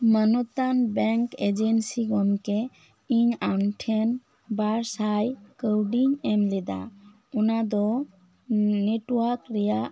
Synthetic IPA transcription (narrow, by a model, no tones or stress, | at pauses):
manɔt̪anbɛŋked͡ʒensiɡɔmke | iɲanʈʰen | baɾsajkəwɖiŋɛmlɛd̪a̰ | unad̪ɔ | neʈwaɾkɾɛja